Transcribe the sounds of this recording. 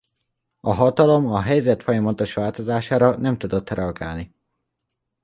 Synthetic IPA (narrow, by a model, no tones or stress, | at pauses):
ɒɦɒt̪ɒlo̞mɒɦɛjzɛt̪fo̞jɒmɒt̪o̞ʃʋaːlt̪o̞zaːʃaːɾɒnɛmt̪ud̪o̞t̪rɛɒɡaːlni